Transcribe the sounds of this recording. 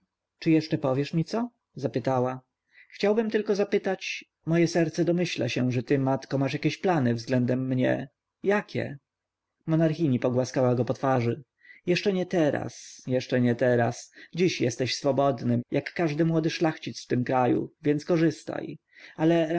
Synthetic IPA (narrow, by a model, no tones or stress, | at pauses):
t͡ʂɘjɛʂt͡ʂɛpɔvʲjɛʂmʲit̪sɔ | zapɘt̪awa | xt͡ɕawbɘmt̪ɘlkɔzapɘt̪at͡ɕ | mɔjɛsɛɾt̪sɛd̪ɔmɘɕla̰ɕɛʐɛt̪ɘmat̪kɔmaʂjakʲeɕplanɘvzɡlɛnd̪ɛmːɲɛ̰ | jakʲɛ̰ | mɔnaɾxʲiɲipɔɡwaskawaɡɔpɔt̪faʐɘ | jɛʂt͡ʂɛɲɛt̪ɛɾa̰sjɛʂt͡ʂɛɲɛt̪ɛɾasd͡ʑiɕjɛst̪ɛɕsfɔbɔd̪nɘmjakːaʐd̪ɘmwɔd̪ɘʂlaxt͡ɕit̪sft̪ɘmkɾajṵvʲjɛnt̪skɔʐɘst̪a̰j | alɛ